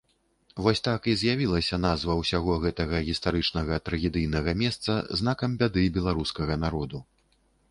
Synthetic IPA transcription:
vɔsʲt̪akizʲjavʲilˠɐsʲɐnazvɐwsʲaɣɔɣɛt̪ɐɣɐɣʲist̪aɾɨt͡ʂnɐɣɐt̪ɾɐɣʲɛd̪ɨjnɐɣɐmʲɛst̪sɐzn̪akɐmbʲad̪ɨbʲɛlˠaɾuskɐɣɐnaɾɔd̪u

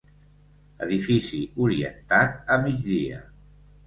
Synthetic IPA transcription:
əðifisiuɾiə̰nt̪at̪̚əmid͡ʒðiə̰

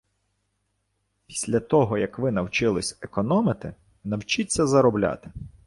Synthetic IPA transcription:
pʲi̥sʲlʲɐt̪ɔɦɔjɐkʋɪnɐwt͡ʃɪlˠɪsʲekɔnɔmɪt̪ɪ | nɐwt͡ʃit͡sʲːɐzɐɾɔblʲa̰t̪ɪ̥

